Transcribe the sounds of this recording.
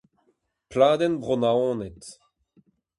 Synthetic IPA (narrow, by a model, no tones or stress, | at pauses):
plaːd̪ɛnbʁonaɔ̃ːnɛt̪